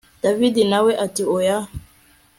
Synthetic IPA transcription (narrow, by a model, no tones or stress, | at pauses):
d̥avidinawɛʔatioja